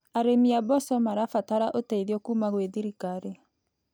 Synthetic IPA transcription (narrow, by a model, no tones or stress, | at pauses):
aɾemiabɔsɔmaɾafataɾaʔoteiðiɔkuːmaɣweðiɾikaɾe